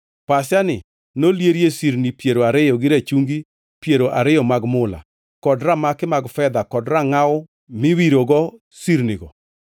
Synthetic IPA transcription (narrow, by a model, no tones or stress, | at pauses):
pasjanɪ | noljeɾjesiɾnipjeɾoaɾɪjɔɡɪɾat͡ʃuŋɡi | pjeɾoʔaɾɪjɔmaɡmʊla̰ | kɔdramakɪmaɡfɛd̪akɔdɾaŋaʊ | mɪwiɾoɡɔ | siɾniɡɔ